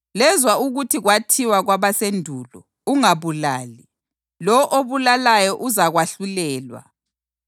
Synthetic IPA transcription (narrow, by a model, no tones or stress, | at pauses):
lɛzwauɣutʰiɣwatʰiwaɣwaβasendʱuːlɔ̰ | uŋaβulaːli | lɔʔoβulalajɔʔuzaɣwaɬulɛːlwa̰